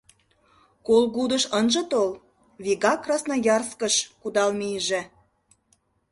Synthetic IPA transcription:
kolɣud̪əʃənʒə̆t̪ol | βiɣɑkrɑsnɑjɑrskəʃkud̪ɑlmijəʒĕ

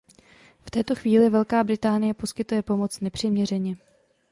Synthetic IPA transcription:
ft̪ɛːt̪o̞xviːlɪvɛlkaːbɾɪt̪aːnɪjɛpo̞skɪt̪ujɛpo̞mo̞t͡snɛpr̝̥ɪmɲɛr̝ɛɲɛ

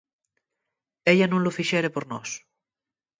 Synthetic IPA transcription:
eʎanõŋlofiʃɛɾepoɾnɔs

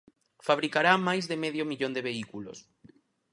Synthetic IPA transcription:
faβ̞ɾikaɾamajzðemeðjomiʎond̪eβeikulo̰s

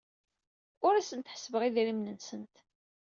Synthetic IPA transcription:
ʊɾæsənt̪ħə̥svəʁiðɾimnənsənt̪

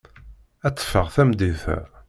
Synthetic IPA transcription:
æt͡sːə̥fːəʁθæmd̪iθæ̰

